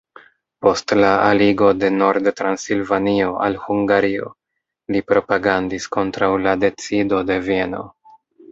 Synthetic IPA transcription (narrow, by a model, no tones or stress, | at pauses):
po̞stlaaliɡo̞de̞no̞ɾdtɾansilvanio̞ʔalhuŋɡaɾio̞̰ | lipɾo̞paɡandisko̞ntɾawlade̞t͡sido̞de̞vie̞no̞̰